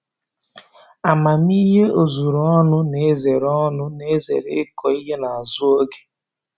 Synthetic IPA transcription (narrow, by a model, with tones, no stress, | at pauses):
a˨ma˨mi˦ɦe˦o˨zu˨ɾɔ˦nʊ˦ne˨˦ze˨ɾɔ˦nʊ˦ne˦ze˨ɾe˨˦kʰɔ˨i˦ɦe˦na˨a˨zʊ˦o˦ɡe̥˦